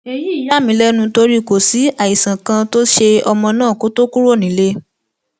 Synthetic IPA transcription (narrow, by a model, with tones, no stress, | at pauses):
e˧ji˦i˦˨˦ja˦˨mĩ˨˦lɛ˦nũ˧to˧ɾi˦ko˨si˨˦a˦˨i˨sã˨kã˧to˦ʃe˧ɔ˧mɔ̃˧nãː˦˨ko˦to˦ku˦ɾo˦˨nĩ˨˦le˦